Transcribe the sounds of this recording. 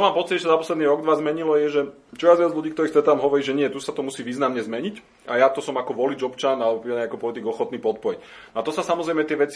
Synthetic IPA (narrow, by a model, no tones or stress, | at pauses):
ɔmaːmpɔt͡sicʒɛsazapɔslɛd̪niɾɔɡd̪ʋazmɛɲilɔjɛʒɛ | t͡ʃɔʋjazʋad͡zʎuɟiːkt̪ɔɾiːxst̪ɾɛt̪aamɦɔʋɔɾiːʒɛɲɪɛt̪usat̪ɔmusiːʋiːznamɲɛzmɛɲic | ajat̪ɔsɔmakɔʋɔlid͡ʒɔpt͡ʃanalɛbɔpiɛakɔpɔlit̪iɡɔxɔt̪niːpɔt̪̚pɔic | nɔat̪ɔsasamɔzɾɛjmɛt̪ɪɛʋɛt͡si̥